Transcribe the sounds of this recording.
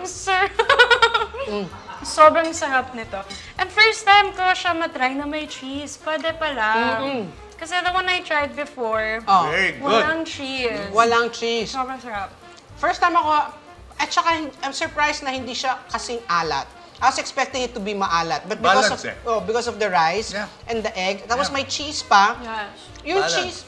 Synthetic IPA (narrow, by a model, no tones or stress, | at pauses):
sɛɹ | sobɾɐŋsɐɾap̚nɪt̪o | ʔɐnfɛɹst̪ajmkoʃamɐt̪ɾajnɐmɐjt͡ʃispwɛd̪ɛpɐla | kɐsɛðɐwɐ̃najt̪ɹajd̪̚bɪfɔɹʔoɡwɐaŋt͡ʃɹiswɐlaɐŋt͡ʃɹissobɾɐŋsɐɾap̚ | fɛɹst̪ːajmɐko̞ | ʔɐt͡ʃɐkahɪʔajmsɔɹpɹajsnɐhɪ̃nd̪iʃakɐsɪŋʔaːlɐ̰t̪̚ | ʔajwɐsɛkspɛk̚t̪ɪ̃ŋɪt̪ːʊbimɐʔaːlɐt̪̚bɐt̪̚bɪosoʔbɪkɔsɔfd̪ɐɹajsʔɛ̃nd̪ɐʔɛɡ̪̚at̪wɔsmɐjt͡ʃiːspɐj | jʊŋt͡ʃis